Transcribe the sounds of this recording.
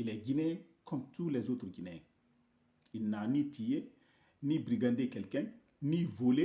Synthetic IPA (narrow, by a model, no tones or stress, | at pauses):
ilɛɡinɛ | kʰɔmt̪ulɛzot̪ɾɡinɛ̃ | inːanitije | nibɾiɡad̪ekɛlkɛ̃ŋ | nivole